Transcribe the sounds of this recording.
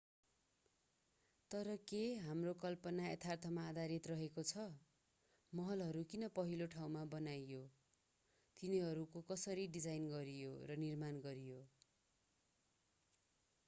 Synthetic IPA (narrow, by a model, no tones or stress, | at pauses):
t̪ʌɾʌkeɦamrokʌlpʌnaet̪ʰart̪ʰʌmaːd̪ʱaɾit̪rʌɦekot͡sʰʌ | mʌɦʌlɦʌɾukinʌpʌɦiloʈʰaw̃mabʌnajo | t̪iniɦʌɾukokʌsʌɾiɖid͡zajnɡʌɾijorʌnirmanɡʌɾijo